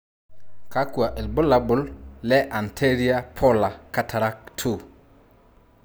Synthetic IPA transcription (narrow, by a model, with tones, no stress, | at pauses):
ka˦kwa˨ʔɪ˨lbʊ˦la˨˦bʊ˨llɛ˦ʔa˨ntʰe˦ɾi˦a˦pʰɔ˦la˨ka˨˦tʰa˨ɾa˦k̚tʰu˨